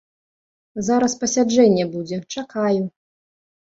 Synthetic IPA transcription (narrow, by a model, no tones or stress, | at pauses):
zaɾɐspɐsʲad͡ʐɛnʲːɛbud͡zʲɛt͡ʂakaju